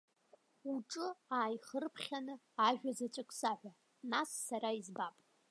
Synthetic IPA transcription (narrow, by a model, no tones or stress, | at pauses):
uʈ͡ʂʼɨaːjχərpʰχʲanɨ | aʒᶣazat͡ʃʷʼɨkʼsaħʷᶣa | nasːaɾaizbapʼ